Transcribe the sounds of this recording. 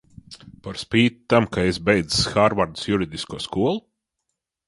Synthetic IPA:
paɾspiːt̪ːamkaesbɛjd̪zsxaːɾvaɾd̪u̥sjuɾid̪ʲiskuɔskuɔlˠu

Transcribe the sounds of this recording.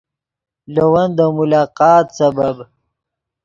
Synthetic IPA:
lɐwɐnd̪əmʊlɑːqɑːt̪sɐbɐb

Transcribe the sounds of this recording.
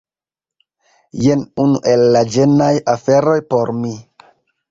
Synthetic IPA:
jenunuʔelːad͡ʒenajafeɾo̞jpo̞ɾmi

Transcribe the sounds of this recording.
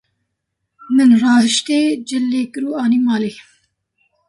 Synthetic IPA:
mɨnrɑːzɨʃt̪eːd͡ʒɨlːeːkɨɾuːɑːniːmɑːleː

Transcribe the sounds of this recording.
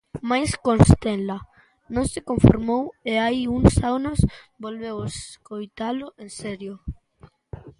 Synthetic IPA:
majskonst̪enla | nõŋsekoɱfo̰ɾmoweajiuŋsawnosbolβewskojt̪aloʔensɛɾjo

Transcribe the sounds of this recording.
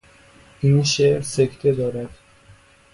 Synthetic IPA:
ʔiːnʃeʔɾsekʰt̪ʰe̞d̪ɒːɾæd̪̥

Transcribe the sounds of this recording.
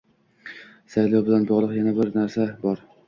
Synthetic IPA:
sajlˠɒwbɪlanbɒʁlˠɨqjanabɪɾnaɾsabɒɾ

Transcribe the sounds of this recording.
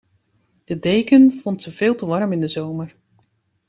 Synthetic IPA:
d̥ədejkənfɔntsəvɪːlˠtəʋɑrmɪndəzowmər

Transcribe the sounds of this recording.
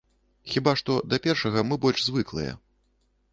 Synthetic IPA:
xʲibaʂt̪ɔd̪ɐpʲɛrʂɐɣɐmɨbɔlʲʂzvɨklˠɨ̰jɛ̰

